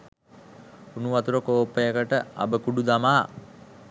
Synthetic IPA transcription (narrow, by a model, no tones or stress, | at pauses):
unuʋat̪uɾəkoːpəjəkəʈəa̰bəkuɖud̪amaː